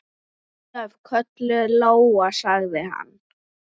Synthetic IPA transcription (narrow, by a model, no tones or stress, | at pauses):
avkʰœt̪lʏðloːwasaɣðɪha̰nː